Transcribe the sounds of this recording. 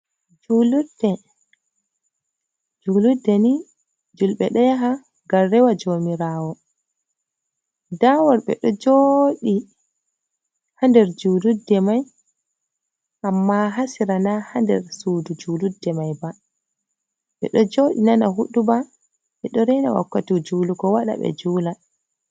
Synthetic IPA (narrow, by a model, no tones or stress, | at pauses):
d͡ʒuludɛ | d͡ʒuːludɛni | d͡ʒulɓɛ̰ɗɔjaɦa | ɡaːɛwad͡ʒomiɾaːwɔ | dawɔɾɓɛ̰ɗɔd͡ʒoɗi | handɛɾd͡ʒuːludːɛmaj | ʔamːaɦasiɾanahandɛ̰ɾsuːdud͡ʒuːludːɛmajba | ɓɛ̰ɗɔd͡ʒoɗinanaɦuɗuba | ɓɛɗɔɾɛna̰wa̰kːatid͡ʒuːluɡɔwaɗa̰ɓɛ̰d͡ʒuːla